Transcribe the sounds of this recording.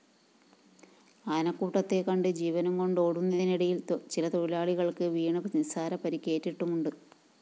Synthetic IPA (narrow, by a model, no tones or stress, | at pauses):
aːnɐkːuːʈːɐt̪ːe̞kɐɳɖɨd͡ʑiːʋɐnɐmko̞ɳɖoːɽunːɐðiniɽɐjilt͡ɕilɐt̪o̞ɻilaːɭiɣɐɭkɨʋiːɳɨpɐnsaːɾɐpɐɾikʲːe̞ːtːiʈːumuɳɖɨ